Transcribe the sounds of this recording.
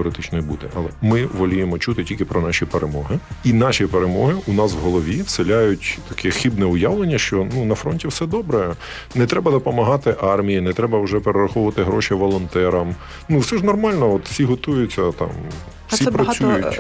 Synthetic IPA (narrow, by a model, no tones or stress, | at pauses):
ɔɾet̪ɪt͡ʃnɔjibud̪ɛ̰ʔɐlˠɛmɪʋɔlʲujemɔt͡ʃut̪ɪtʲilʲkɪpɾɔnɑʃʲipeɾʔemɔɦɪinɑʃipeɾemɔɦɪʊnɑswɦɔlˠɔʋʲiwselʲajʊtʲt̪ɐkʰɛxibnɛʊjɑʋlˠenʲːɐʃt͡ʃɔnunɐfɾɔnʲtʲiwsɛd̪ɔbɾɛ | nɛt̪ɾɛbɐd̪ɔpɔmɐɦɑt̪ɪʔɑrmʲijinɛt̪ɾɛbɐwʒɛpeɾeɾɐxɔʋʊʋɐt̪ɪɦɾɔʃiʋɔlˠɔnt̪ɛɾɐm | nuwsɛʒnɔrmɑlʲnɔɔt̪wsʲiɦɔt̪ujʊt͡sʲːɐt̪ɑ̰m | wsʲipɾɐt͡sʲujʊ